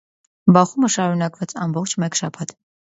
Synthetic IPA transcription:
bɑχuməʃɑɾunɑkvɑt͡sɑmbɔχt͡ʃʰmɛkʃɑpʰɑt̪ʰ

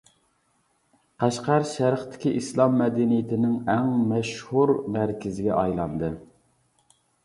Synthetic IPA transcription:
qʰæʃqæɾʃæɾχt̪ʰɪ̥kʲiʔislˠɑmːɛd̪ɪnijɪt̪ʰɪnɪŋæŋmɛʃhuɾmæɾkʲʰɪzɪɡʲɛʔɑjlˠɑ̰nd̪ɨ

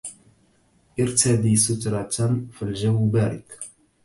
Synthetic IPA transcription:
ʔɪɾt̪ad̪isʊt̪ɾˤɑt̪nfilʒawːbaɾɪk

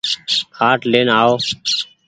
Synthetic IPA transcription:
kʰaːʈleːnaːoː

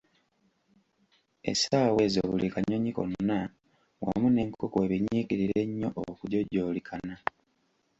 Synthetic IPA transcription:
ḛsaːwe̞ːzoβulʔikaɲoɲiko̰nna | wa̰mune̞ːŋkʰokweβiɲiɡiɾiɾe̞ɲːo̞ʔokuɟoɟo̞ːlikʰana

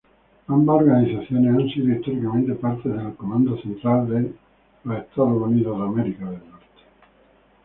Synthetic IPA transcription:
ambaoɾɡanizat̪sːjoːneansiɾist̪oɾikament̪epart̪ed̪elkomand̪ot͡ʃent̪ɾald̪e | laet̪ːɔɾounid̪od̪amɛɾikad̪elnɔrt̪

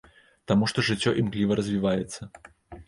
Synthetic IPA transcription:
t̪amuʂt̪ɔʐɨt͡sʲːɔʔimɣlʲivɐɾɐzʲvʲivajɛt̪sːɐ

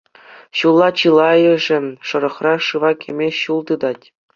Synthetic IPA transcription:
ɕulˠːɑt͡ɕɯlˠɑjɤ̆ʐɘ̆ʂɤ̆ɾɤ̆χrɑʂɯʋɑkʲʰĕmʲeɕulˠd̪ɯd̪ɑtʲ

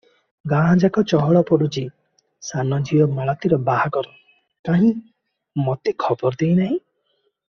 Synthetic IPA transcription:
ɡãːd͡ʒakɔt͡ʃɔɦɔɭɔpɔɽut͡ʃi | sanɔd͡ʒiɔmaɭat̪iɾɔbaɦakɔɾɔ | kaɦĩ | mɔt̪ekʰɔbɔɾd̪ejnaɦĩ

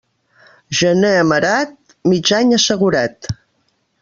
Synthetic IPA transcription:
ʒəneəməɾat̪̚ | mid͡ʒaɲəsəɣuɾat̪

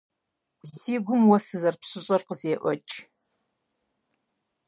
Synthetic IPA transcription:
siːɡʷʊmwɔsɨzɐrpɕʼɪɕʼɐrqəzeːʔʷɔ̰t͡ʃʼ

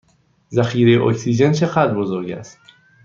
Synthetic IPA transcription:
zæxiːɾejeʔocʰsiːd͡ʒent͡ʃʰe̞ɣæd̪ɾbozoɾɟæ̰st̪

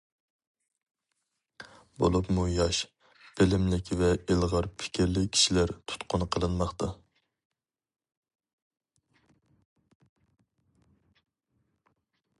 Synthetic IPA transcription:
bo̰lˠupmujɑʃ | b̥elɪmlɪkʲvɛelˠʁɑɾpʰɪ̥kʲʰiɾlɪkʲʰi̥ʃilæɾt̪ʰu̥t̪qʊnqʰəlˠɨnmɑχt̪ɑ

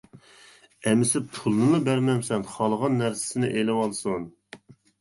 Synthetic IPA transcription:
ɛmɪsɪpʰulˠnɨlɨbæɾmɛmsɛnχɑlˠʁɑnːæɾsɪ̥sɪnɪ̰ʔelɪwɑlˠsun

